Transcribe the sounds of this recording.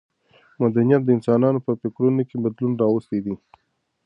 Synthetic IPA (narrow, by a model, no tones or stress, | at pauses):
mad̪anijat̪̚d̪əɪnsɑnɑnopəpɪkɾunokebad̪lunɾɑwəst̪ed̪i